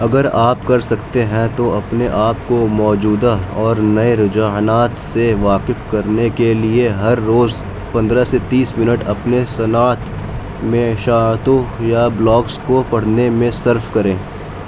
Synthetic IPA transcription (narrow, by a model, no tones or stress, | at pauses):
ɐɡəɾaːpkɐɾsɐkt̪eɦɛ̃t̪oɐpneʔaːpkomɔːd͡ʒuːd̪aɔːɾnɐeɾʊd͡ʒaːɦnaːt̪seʋaːqɪfkɐɾnekelieɦɐɾːoːz | pɐ̃nd̪ɾaset̪iːsmɪnəʈɐpnesɐnaːt̪ | mẽʃaːt̪õjablɔːkskopɐɽ̤nemẽsɐɾfkɐɾẽː